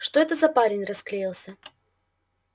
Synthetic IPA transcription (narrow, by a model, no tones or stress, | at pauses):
ʂt̪oɛt̪əzɐpaɾʲɪnʲrɐsklʲejilˠsʲə